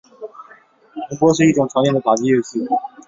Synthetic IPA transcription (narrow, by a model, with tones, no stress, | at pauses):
ə˧˥pwɔ˥ʂ̬ɻ̩˥˧i˥˩ʈ͡ʂʊ˨˩ŋʈ͡ʂʰɑ˧˥ŋnjɛ˥˩ndə˩a˨˩t͡ɕi˥˧jɛ˥˧˩ɕi˥˩